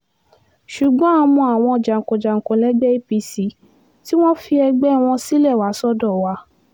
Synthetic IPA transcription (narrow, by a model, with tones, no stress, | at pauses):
ʃu˨ɡ͡bɔ̃˨˦a˧mũ˧a˨w̃ɔ̃˧ɔ˨d͡ʒa˨ŋ̩˨kõ˨d͡ʒa˨ŋ̩˨kõ˨lɛ˨˦ɡ͡bɛ˦i˦pi˧si˨˦ | ti˦w̃ɔ̃˦fi˧ɛ˧ɡ͡bɛ˦˨w̃ɔ̃˧si˦lɛ˦˨wa˨˦sɔ˦dɔ˦˨wa˨˦